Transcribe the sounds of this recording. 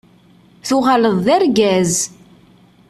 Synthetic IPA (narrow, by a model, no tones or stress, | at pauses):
θʊʁaləðˤːæɾɡæz